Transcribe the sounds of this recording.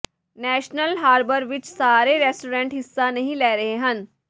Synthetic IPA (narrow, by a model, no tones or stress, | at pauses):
nɛːʃnəlɦaːɾbəɾʋɪt͡ʃsaːɾeːɾɛːsʈoːɾɛ̃ːɳʈɦɪsːaːnəɦĩlɛːɾəɦeɦən